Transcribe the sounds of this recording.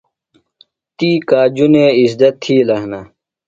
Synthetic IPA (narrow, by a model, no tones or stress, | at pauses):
t̪iːkaːd͡ʑuneːisd̪ɐt̪ʰːiːlɐhnɐ